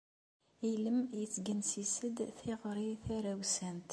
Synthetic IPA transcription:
iləmjət͡sːɡənsisəd̪θiʁɾiθæɾæwsænt̪

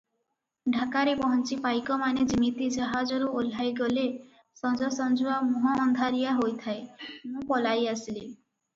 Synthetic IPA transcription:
ɖʱakaɾebɔɦɔnt͡ʃipajkɔmaned͡ʒimit̪id͡ʒaɦad͡ʒɔɾuol̤ajɡɔle | sɔd͡ʒɔsɔnd͡ʒuamuɦɔːnd̪ʱaɾijaɦojt̪ʰaemũpɔlajasili

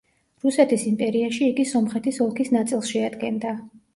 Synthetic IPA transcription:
ɾusɛt̪ʰisimpʼɛɾiaʃiːɡisɔmχɛt̪ʰisɔlˠkʰisnat̪sʼilˠsʃɛad̪ɡɛnd̪a

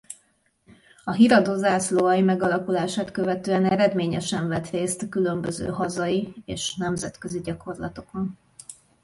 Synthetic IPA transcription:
ɒɦiɾɒd̪ozaːsloɒjimɛɡɒlɒkulaːʃaːt̪kø̞vɛt̪øːɛnɛɾɛd̪meːɲɛʃɛɱvɛt̪reːst̪kylømbøzø̰ːɦɒzɒiḛːʃnɛmzɛt̪kø̞ziɟɒko̞rlɒt̪o̞kon

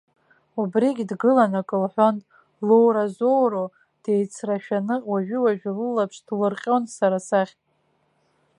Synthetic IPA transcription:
ubriɡʲdɡɨlanakʼɨlħʷᶣon | lowɾazo̞wro | d̥e̞jt͡sʰraʃᶣanɨwaʒᶣʏwaʒᶣlɨlapʰʂd̥lɨrqʲʼonsaɾasaχʲ

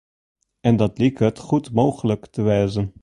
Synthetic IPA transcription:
ɛndɑtliktɦətχutmowχələktəʋɛjzən

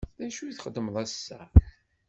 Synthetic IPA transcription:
ðæʃuθχəd̪ːəmðˤæsːæ

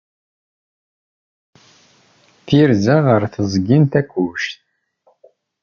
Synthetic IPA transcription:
θiɾzæʁəɾθəzˤɡint̪ækʷːuʃt̪

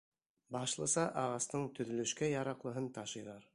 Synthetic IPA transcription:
bɑʃlˠɤ̆sɑʔɑʁɑst̪ɤɴt̪ɵ̆ðɵ̆lɵ̆ʃkæjɑɾɑqlˠɤ̆ɦɤnt̪ɑʃɤ̆jðɑɾ

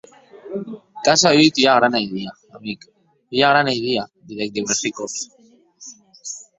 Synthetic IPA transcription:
kasaβit̪iaɣ̞ɾanajðiaːmik | iaɣ̞ɾanajðiabiðek̚d̪iβeɾt̪ikok

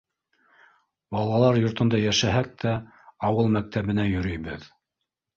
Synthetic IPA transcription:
bɑlˠɑlˠɑɾjŏɾt̪ɤ̆nd̪ɑjæʃæɦæk̚t̪ʰæ | ɑwɤlˠmæk̚t̪æβɘ̆næjɵ̆ɾɵ̆jbɘð

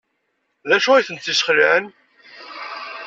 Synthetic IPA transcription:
ðæʃuijθənt̪ːisχəlʕən

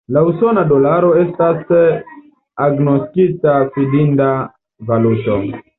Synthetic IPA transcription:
lausonadolaɾoest̪as | aɡnoskit̪apidind̪a | valut̪o

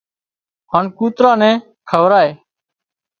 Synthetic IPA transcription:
ɦaːnkuːt̪ɾãːnɛ̃ː | kʰəʋɾaːeː

